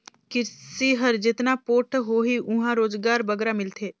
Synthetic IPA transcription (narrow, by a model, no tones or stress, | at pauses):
kɪsiɦəɾd͡ʒɪt̪napoːʈʰɦoɦiʔʊɦãɾoːzɡaːɾbɐɡɾamɪlt̪ʰeː